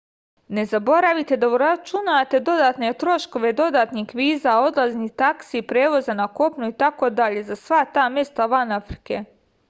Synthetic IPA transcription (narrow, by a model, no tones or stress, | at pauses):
ne̞zabo̞ɾaʋit̪e̞d̪auɾat͡ʃunat̪e̞d̪o̞d̪aːt̪ne̞t̪ɾo̞ʃko̞ʋe̞d̪o̞d̪aːt̪nixʋiːzao̞d̪laznit̪aksipɾeːʋo̞zanako̞pnuit̪ako̞d̪aʎe̞zasʋat̪aːmje̞st̪aʋanafɾi̥ke